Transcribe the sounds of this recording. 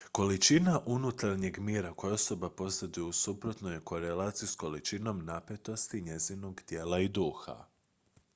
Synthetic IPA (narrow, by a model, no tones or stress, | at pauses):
ko̞lit͡ʃinaʔunut̪aɾɲe̞ɡmjiːɾako̞josobapo̞st̪ad̪ujeusupɾo̞t̪nojeko̞ɾe̞laːt̪sijusko̞lit͡ʃino̞mnape̞t̪o̞st̪iɲe̞zino̞ɡt̪je̞ːlˠaid̪uːxa̰